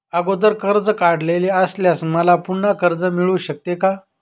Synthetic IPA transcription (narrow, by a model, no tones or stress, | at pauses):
əɡod̪əɾkəɾd͡zəkaɽleleəsljasməlapuɳakəɾd͡zəmiɭuɕək̚t̪eka